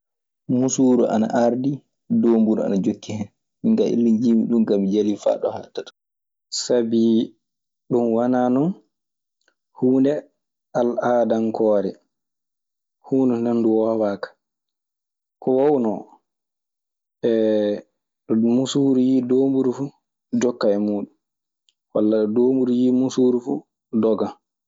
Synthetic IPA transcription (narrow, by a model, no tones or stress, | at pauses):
musuːɾuʔa̰na̰ʔaɾdi | doːmbuɾua̰nad͡ʒokːihɛn | iŋɡaʔḭlːind͡ʒimḭɗumkamid͡ʒalifa̰ɗɔ̰ha̰tatɔ̥ | sabi | ɗunwananɔn | huːndɛ | alaːdankɔːɾɛ | huːndɛnanduwɔwaːkḁ | kɔwawnɔ | ɛ | ɗɔmusuɾujidoːmbuɾufu | d͡ʒɔkːaɛmuːɗum | walːaɗɔdoːmbuɾujiːmusuːɾufṵ | dɔɡan